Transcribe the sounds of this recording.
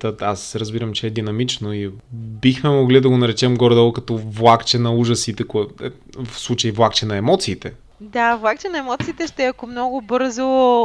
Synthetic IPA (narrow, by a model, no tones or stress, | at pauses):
t̪əasɾəzbiɾəmt͡ʃɛɛd̪inɐmit͡ʃnoibixmɛmoɡlid̪ɐɡonɐɾɛt͡ʃɛmɡɔɾd̪ɛlˠkɐt̪ɔvlˠakt͡ʃɛnɐuʒəsit̪ɛkɛ | fslˠut͡ʃəivlˠakt͡ʃɛnɐɛmɔt̪siːt̪ɛ | d̪avlˠakt͡ʃɛnɐɛmɔt̪siːt̪ɛʃt̪ɛɐkomnɔɡʊbɤɾzo